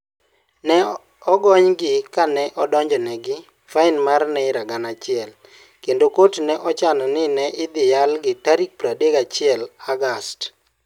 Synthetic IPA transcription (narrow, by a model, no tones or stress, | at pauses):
nɛ | ɔɡɔɲɡɪkanɛʔɔdɔɲd͡ʒɔnɛɡɪ | faɪnmarnɛɪɾaɡanat͡ʃɪɛl | kendokotnɛʔɔt͡ʃanɔnɪnɛʔɪd̪ɪjalɡɪtaɾik̚pɾadekat͡ʃɪɛlaɡast